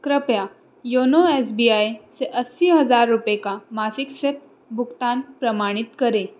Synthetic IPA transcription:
kɾəpja | jonoesbiajseʔəsːiɦəd͡zaɾːupekamasiksep̚ | bʱukt̪anpɾəmaɽ̃it̪kəɾe

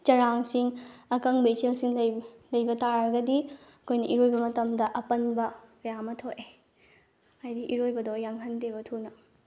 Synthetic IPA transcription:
t͡ʃɐɾaŋsiŋɐkɐŋbɐit͡ʃelsiŋlɐjbɐtaɾɐɡɐdiɐkʰojnɐʔiɾojbɐmɐtɐmdɐʔɐpɐnbɐkɐjamɐtʰoʔe | ajdiʔiɾojbɐdojaŋɦɐntebɐtʰunɐ

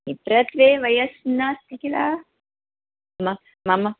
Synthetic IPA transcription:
ipɾɐt̪ʋeːʋɐjɐsnast̪ikilaː | mɐ | mamɐ

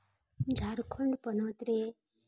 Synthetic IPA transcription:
d͡ʒʱaɾkʰuɳɖpənot̪ɾe

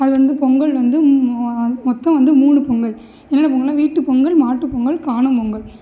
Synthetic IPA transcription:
ɐðɯʋɐnd̪ɯpɔŋɡɐɭʋɐnd̪ɯ | mɔt̪ːɐ̃mʋɐnd̪ɯmuːɳɯpɔŋɡɐɭ | ɛnːnɐp̬ɔŋɡɐɭːãːʋiːʈːɯpɔŋɡɐɭmaːʈːɯpːɔŋɡɐɭkaːɳɯmpɔŋɡɐɭ

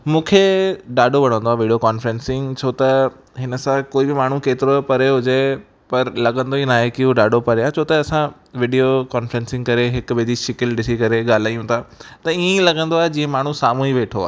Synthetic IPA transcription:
mũːkʰeɗaːɖoʋɐɽ̤̃ə̃nd̪oaːʋiːɖijokaːnfɾɛ̃nsɪ̃ŋɡt͡ɕʰoːt̪ɐ | ɦɪnə̆sãkoːibɪmaːɳ̤ũkeːt̪ɪɾopɐɾeɦʊd͡ʑe | pɐɾlɐɠə̃nd̪oinaːɦekiɦuɖaːɖopɐɾeaːt͡ɕʰoːt̪ɐɐsã | ʋɪːɖijokaːnfɾɛ̃ːnsɪ̃ŋɡkɐɾeɦɪkʊ̆ʋed͡ʑ̪iʃɪkɪlɖɪsikɐɾeɠaːl̤aːijũt̪ʰaːt̪ɐiːẽlɐɠə̃nd̪oaːɦed͡ʑĩːẽmaːɳ̤ũsaːmũiʋeːʈʰoa̰ːɦ

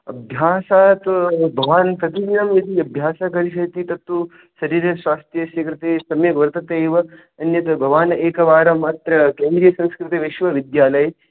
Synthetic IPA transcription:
ɐbʱjaːsaːt̪bʱɐʋaːnt̪ɐt̪iɡinɐmʋid̪iɐbʱjaːsakɐɾiʃ̬ɐt̪it̪ɐt̪ːu | sɐɾiːɾɐsʋaːst̪ɾjɐsekɾɐt̪eːsɐmjɐɡʋɐɾt̪ɐt̪eːʋɐ | ɐnjɐt̪ɐbʱɐʋaːneːkɐʋaːɾɐmaːt̪ɾɐkeːnd̪ɾijɐsɐ̃nskɾɪt̪ɐʋeʃʋɐʋid̪jaːlɐj

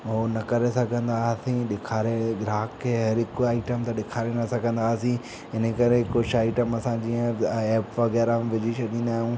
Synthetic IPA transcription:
onɐkɐɾesɐɡʱɐə̃nd̪asĩɗɪkʰaːɾeɡɾaːkʰːeɦɐɾɦɪkoaːɪʈəmt̪ɐɗɪkʰaːɾenɐsɐɡʱɐ̃nd̪aːsĩ | ɦɪnəkɐɾeɪkot͡ʃʰaːɪʈəmɐsãd͡ʑiːə̃eːpʋɐɣɛːɾam̃ʋɪd͡ʑiʃɐd̪ĩːnd̪aːɦijũː

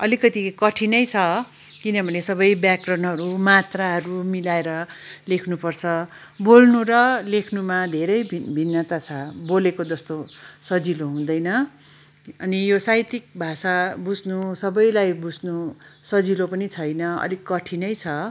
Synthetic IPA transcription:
ʌlikʌt̪ikʌʈʰinʌjt͡sʰʌ | kinʌbʱʌnesʌbʌjbjakrʌnɦʌɾumat̪raɦʌɾumilaeɾʌlekʰnupʌrt͡sʰʌ | bolnuɾʌlekʰnumad̪ʱeɾʌjbʱinːʌt̪at͡sʰʌbolekod͡zʌst̪osʌd͡ziloɦũd̪ʌjnʌ | ʌnijosajt̪ik̚bʱasabud͡zʱnusʌbʌjlajbud͡zʱnusʌd͡zilopʌnit͡sʰʌjnʌʌ̰likːʌʈʰinʌjt͡sʰʌ

